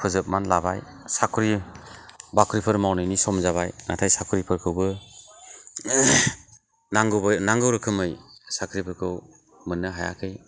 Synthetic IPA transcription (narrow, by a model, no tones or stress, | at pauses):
pʰɯzɯp̚manlabajsakʰɾi | bakʰɾipʰɯɾmawnɯjnisɔmzaβajnatʰajsakʰɯɾipʰɯɾkʰɯwbɯ | naŋɡɯbnaŋɡɯwɾɯkʰɯmɯjsakʰɾipʰɯɾkʰɯw | mɯnːɯɦaja̰kʰɯj